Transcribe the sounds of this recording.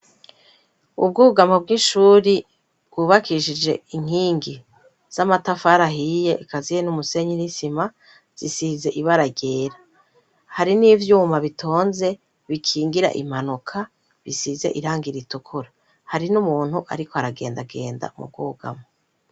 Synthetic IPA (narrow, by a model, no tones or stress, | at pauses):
ṵbɡuːɡamob̚ɡiʃuːɾi | bɡ̥uːβakʰiʃid͡ʒe̞̰iŋ̥hiːŋɡi | z̥amatafaɾaɦijeʔːkazijenumuse̞ɲinisima | z̥isize̞ʔiβaɾaɟe̞ːɾa | haɾiniːvjuːmaβitʰo̞ːnze̞ | βikʰiːŋɡiɾa̰ʔḭm̥anukʰa | βisize̞̰ʔiɾaːŋɡiɾitukʰuɾa | haɾinumuːn̥huʔa̰ɾikoaɾaɡe̞̰ːndaɡe̞̰ːnda̰mṵb̚ɡuːɡa̰mo